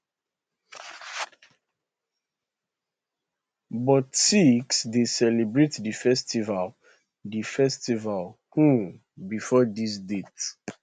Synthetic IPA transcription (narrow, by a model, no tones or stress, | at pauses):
bɔtiksdesɛlebɹetdifɛstival | difɛstival | hũ | bifɔdis̬det